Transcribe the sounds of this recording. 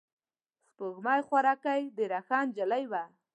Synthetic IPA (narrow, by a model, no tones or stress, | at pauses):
spoɣmɑjxwaɾɑkajd̪eɾaxɑnd͡ʒalajwa